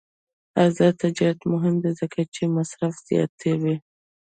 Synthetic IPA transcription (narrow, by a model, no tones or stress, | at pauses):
azɑt̪ad͡ʒɑɾat̪mʊɦɪmd̪ezəkat͡ʃemasɾafz̥ijɑ̰t̪ʰewi